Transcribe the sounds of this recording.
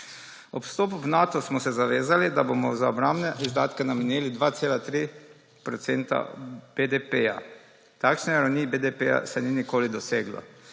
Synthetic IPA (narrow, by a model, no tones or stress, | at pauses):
ɔpst̪oːpupnat̪ɔsmɔsɛzaʋeːzalid̪abomɔzaɔbɾambnɛʔizd̪aːt̪kɛnamɛnjeːlid̪ʋat̪seːlat̪ɾi | pɾɔt̪sent̪a̰b̥ed̪epeja̰ | t̪akʃnɛɾawnibed̪epeja̰sɛninikoːlid̪ɔseːɡlɔ̰